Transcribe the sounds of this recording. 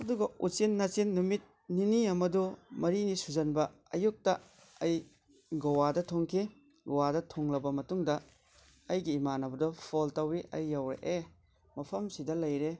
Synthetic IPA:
ɐduɡɐut͡ʃinːɐt͡ʃinːumit̚ | niniɐmɐdumɐɾinisuzɐnbɐ | ɐjuk̚tɐ | ɐj | ɡowadɐtʰoŋkʰi | ɡowadɐtʰoŋlɐbɐmɐtuŋdɐ | ɐjɡiːmanɐbɐdopʰoltɐwiʔɐ̰jːɐwɾḛʔe | mɐpʰɐmsidɐlɐjɾe

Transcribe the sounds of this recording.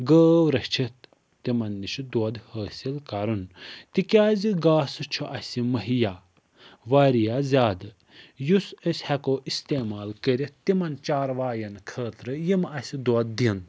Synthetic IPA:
ɡəːʋɾɐht͡ʃʰit̪ | t̪imɐnːiʃid̪wɐd̪həːsilkaɾunt̪ikʲaːziɡaːsɨt͡ʃʰuʔɐsʲimɐɦijaː | ʋaːɾijaːzʲaːd̪ɨ | jusəsʲhɛkoːʔist̪eːmaːlkəɾʲit̪t̪ːimɐnt͡ʃaːɾʋaːjɐnkʰəːt̪ɾɨjimɐsʲid̪uɐd̪̚ːin

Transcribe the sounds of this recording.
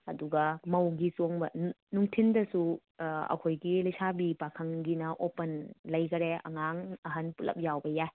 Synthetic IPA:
ɐduɡɐmɐwɡisoŋbɐnnuŋtʰindɐsu | ɐ̰kʰojɡilɐjsʰabipakʰɐŋɡinɐʔopɐnlɐjɡɐɾeɐ̰ŋaŋɐɦɐnpulɐ̰p̚jawbɐjaj

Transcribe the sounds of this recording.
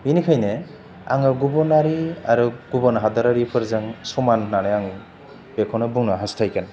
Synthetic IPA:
binikʰajne | a̰ŋɯɡubɔnaɾiaɾuɡ̥ubɔnɦadaɾaɾipʰɯɾzaŋsumanːanejaŋɯ | b̥ekʰɔnɯbuŋnɔɦastʰajkʰan

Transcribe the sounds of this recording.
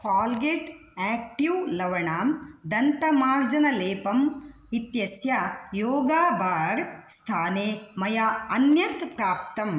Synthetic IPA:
faːlɡeʈ | ɛːk̚ʈiwlɐʋɐɳaːmd̪ɐnt̪ɐmaːɾd͡ʒɐnɐleːpɐm | it̪jɐsjɐjoːɡaːbʱaːɾst̪ʰaːneːmɐjaɐnjɐt̪pɾaːp̚t̪ɐm

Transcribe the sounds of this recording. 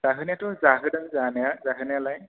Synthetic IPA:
zaɦɯnjatɔzaɦɯdənzanjazaɦɯnjalaj

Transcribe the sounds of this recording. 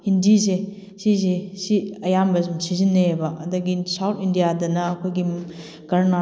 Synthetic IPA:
indise | sis̬esiɐjambɐzumsizinːeebɐɐdɐɡisawtʰindijadɐnɐːkʰojɡi | ɡɐɾna

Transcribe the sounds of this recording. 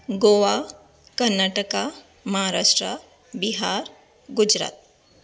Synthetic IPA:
ɡoːʋa | kɐɾnaːʈəka | mɐɦaɾaːʃʈɾa | biɦaːɾ | ɡʊd͡ʒɾa̰ːt̪̚

